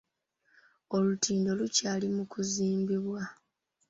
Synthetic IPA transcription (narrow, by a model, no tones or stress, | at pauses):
o̞lutʰiːndo̞lucaːlimukuziːmbiβwa